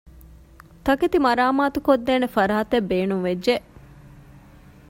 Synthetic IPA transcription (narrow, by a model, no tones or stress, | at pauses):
t̪ɐket̪imɐɾaːmaːt̪ukod̪ːeːnefɐɾaːt̪ebːeːnuŋʋedd͡ʒeʔ